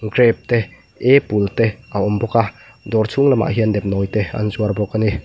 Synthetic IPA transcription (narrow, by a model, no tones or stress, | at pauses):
ɡɾɛp̚t̪ɛ | epult̪ɛʔaɔmbɔka | d̪ɔrt͡sʰuŋlama̰ʔɦiəndɛp̚nɔjt̪ɛa̰nzuarbɔkani